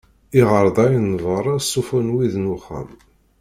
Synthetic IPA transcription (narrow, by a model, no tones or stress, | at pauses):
iʁəɾˤðˤɑjnvəɾˤɑsˤːufunwiðnuχæ̰m